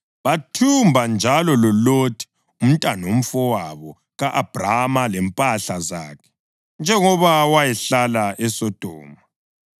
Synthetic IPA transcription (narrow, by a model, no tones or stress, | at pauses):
βatʰumbʱand͡ʒʱalɔlɔlotʰi̥ | um̩tʼanom̩fɔwaβɔ | ɣaʔab̥ramalɛmpʼaɬaza̰ːkʰɛ̥ | nd͡ʒʱɛŋɔβawajɛɬalaɛsɔd̥ʱɔ̰ːma